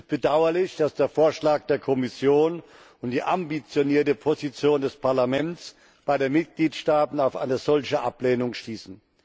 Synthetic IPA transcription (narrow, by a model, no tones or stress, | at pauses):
st̚b̥ədaʊɐlɪçd̥asd̥eːɐfoːɐʃlaːk̚d̥eːɐkʰɔmɪsjoːn | ʊntd̥iːʔambit͡sjoniːɐtəpʰozit͡sjoːndɛspʰaɐlamɛntt͡s | b̥aɪdenmɪt̚ɡ̥liːtʃtaːtn̩aʊfʔa̰ɪnəzɔlçəʔa̰pleːnʊŋʃtiːsn̩